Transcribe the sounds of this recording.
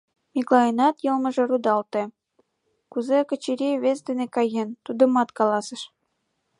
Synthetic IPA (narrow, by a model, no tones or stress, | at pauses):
miklɑjənɑt̪jɤlˠmə̆ʒɤ̆rud̪ɑlt̪ĕ | kuzekə̆t͡ɕiɾʲiβesd̪enekɑjent̪ud̪ə̆mɑt̪kɑlɑsə̆ʃ